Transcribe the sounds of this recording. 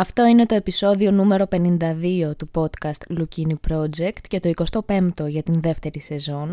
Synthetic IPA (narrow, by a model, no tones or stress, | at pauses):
ɐft̪o̞ine̞t̪o̞e̞piso̞ðio̞nume̞ɾo̞pe̞nind̪ɐðio̞t̪upo̞t̪kɐst̪lucinipɾo̞d͡ʒe̞kt̪cet̪o̞iko̞st̪o̞pe̞mt̪o̞ʝɐt̪inðe̞ft̪e̞ɾise̞zo̞n